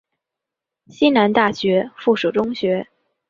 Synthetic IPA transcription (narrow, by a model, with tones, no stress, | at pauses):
ɕi˥na˧˥nt̪a˥˩ɕɥɛ˧˥fu˥˩ʂu˨˩ʈ͡ʂʊ˥ŋɕɥɛ˧˥